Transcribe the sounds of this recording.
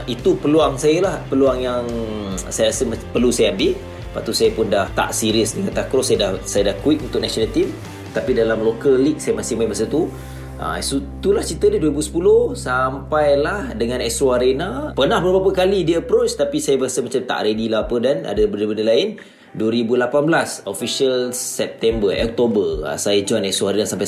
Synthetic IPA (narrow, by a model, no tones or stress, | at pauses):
ʔit̪upəluaŋsajəlahpəluaŋjaŋsajəɾasəmapərlusajaambil | paʔt̪usajəpʊndaht̪a̰ʔsiɾiəsdəŋant̪akɾɔsajadahsajadahkuɪk̪unt̪ʊk̚nasonəlt̪im | t̪apidalamlokəllik̚sajəmasɪhmaibəsət̪u | ʔa̰ɛsut̪ulaht͡ʃit̪ədəduəɾibusə̥pulʊhsampajlahdəŋãnɛsoaɾenapənãhbəɾbapəkalidiəpɾot͡ʃt̪apisajabəɣasəmat͡ʃamt̪a̰ʔɾedilahapədanʔa̰dəbəndəbəndəlaɪn | duwəɾibulapanbəlasofiʃəlsɛp̚t̪ɛmbəʔɔ̰k̚t̪obəra̰sajad͡ʒuanɛsoaɾenasampaj